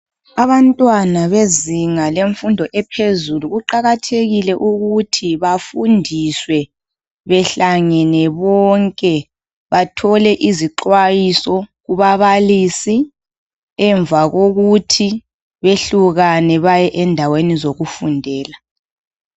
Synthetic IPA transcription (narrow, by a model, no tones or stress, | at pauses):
aβantʼwanaβeziŋaleɱfundʱɔʔɛpʰezuluɣuǃaɣatʰeɣilɛʔuɣutʰiβafundʱiswɛ | βɛɬaŋɛnɛβɔŋkʼɛ | βatʰɔlɛʔiziǃwajisɔɣuβaβaliːsi | ɛɱvaɣoɣutʰi | βeɬuɣanɛβajɛʔɛndʱawenizoɣufundʱɛːla